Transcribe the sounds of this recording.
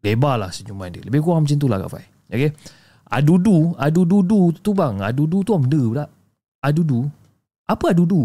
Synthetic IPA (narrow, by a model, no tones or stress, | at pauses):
lebala̰hsəɲumãndələbɪkuaŋmət͡ʃɪnt̪̬ula̰hka̰fa̰j | oke | a̰duduadududut̪ubaŋa̰dudut̪uaməndədaʔ | adudu | apəadudu